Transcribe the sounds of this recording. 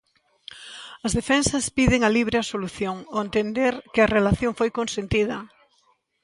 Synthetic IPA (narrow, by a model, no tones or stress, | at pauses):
ɐzðefɛnsɐspiðeŋɐliβɾeɐsoluθjoŋoent̪end̪eɾkɪɐrelaθjoŋfojkonsent̪iðɐ